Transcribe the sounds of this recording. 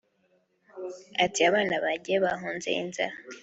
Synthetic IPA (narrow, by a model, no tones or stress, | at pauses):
atiaβaːnaβaɟeβaɦuːnzḛḭnza̰ɾa